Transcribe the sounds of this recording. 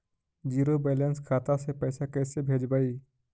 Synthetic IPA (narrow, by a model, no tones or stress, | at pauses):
d͡ʒiːɾobeːlə̃nskʰaːt̪asepəjsakɛːsebʱeːd͡ʒbaːiː